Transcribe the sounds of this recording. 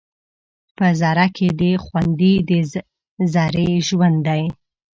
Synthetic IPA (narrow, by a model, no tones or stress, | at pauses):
pəzɑɾakʰed̪əxwand̪id̪ə | zɑɾeʒwand̪d̪aj